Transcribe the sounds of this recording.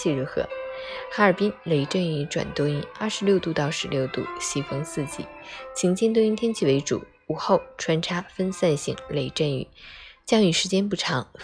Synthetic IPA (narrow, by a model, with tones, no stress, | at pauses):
i˥˩ɻu˧˥xɤ̰˧˥xa˧˥ə˞˨˩pi˥nle˧˥ɪʈ͡ʂə˥˩ny˧˥ʈ͡ʂwa̰˨˩nt̪wɔ˥i˥nɐ̰˥˩ʂɻ̩˧˥ljo˥˧ʊt̪u˥˧t̪ɑ˥˩ʊʂɻ̩˧˥ljo˥˧ʊt̪ṵ˥˩ɕi˧˥fɤ˥ŋsɹ̩˥˩t͡ɕḭ˧˥˦t͡ɕʰi˧˥ŋt͡ɕʰi˥nt̪wɔ˥i˥nt̪ʰjɛ˥nt͡ɕʰi˥˩we˧˥ɪʈ͡ʂṵ˨˩˦ | u˨˩xo˥˩ʊʈ͡ʂʰwa˧˥nʈ͡ʂʰa˥fə˥nsa˥˧nɕḭ˧˩ŋle˧˥ɪʈ͡ʂə˥˩ny̰˧˩˦t͡ɕjɑ˥ŋy˨˩ʂɻ̩˧˥t͡ɕjɛ˥npu˥˩ʈ͡ʂʰɑ˧˥ŋ